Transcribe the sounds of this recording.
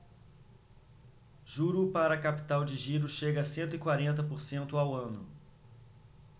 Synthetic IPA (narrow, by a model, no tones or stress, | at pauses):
ʒuɾupaɾɐːkapi̥t̪awd͡ʒɪʒiɾʊʃeɡɐsẽnt̪ʊɪkwaɾẽnt̪̬ɐpoɾsẽnt̪ʊawɐ̃nʊ̰